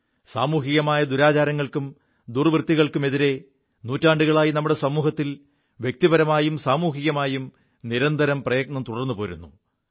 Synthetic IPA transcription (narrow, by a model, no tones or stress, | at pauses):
sa̰ːmuːɦiɣɐmaːjɐd̪uɾaːt͡ɕaːɾɐŋːɐɭkum | d̪urʋrt̪ːiɣɐɭkume̞ðiɾe̞ | nuːtːaːɳɖuɣɐɭaːjinɐmːuɽe̞sɐmuːhɐt̪ːil | ʋjek̚t̪ibɐɾɐmaːjumsaːmuːɦiɣɐmaːjum | niɾɐnd̪ʱɐɾɐmprɐjɐɡ̚nɐmt̪uɽɐrnːupo̞ːɾṵnːu